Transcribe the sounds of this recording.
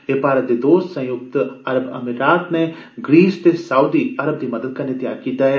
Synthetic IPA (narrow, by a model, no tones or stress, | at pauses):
eːpaːɾət̪ed̪oːst̪sɐ̃jʊk̚t̪ɐɾəbɐ̰mɪɾɾaːt̪ne | ɡɾiːst̪esaːud̪iɐɾəb̚d̪imɐd̪əd̪̚kanɪt̪jaːɾkiːt̪aɦɛː